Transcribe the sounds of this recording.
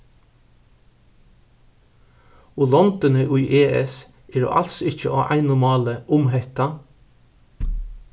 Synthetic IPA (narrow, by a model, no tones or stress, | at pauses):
ʊlɔnt̪ɪnəʔʊjʔeːɛ̰s | ɛɖɔ̰ːʔalsɪcəʔɔʔæ̰ɪnʊmɑːləʔʊmɦɛht̪a